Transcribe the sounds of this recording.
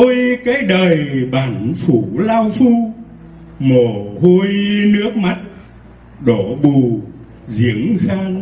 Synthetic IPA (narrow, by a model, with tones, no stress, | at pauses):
o˧jkaː˨˦˥jɗəː˨˩jɓaː˨˧˩nfu˧˩laː˧wfu˧ | mo˨˩ho˧jnɨ˦˥ək̚ma˦˥t̚ | ɗo˧˩ɓu˨˩ | zḭ˧˨˦əŋxaː˧ŋ